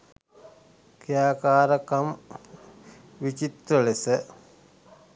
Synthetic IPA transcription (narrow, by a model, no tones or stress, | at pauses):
kijaːkaːɾɐkɐm | ʋit͡ʃit̪ɾəlesə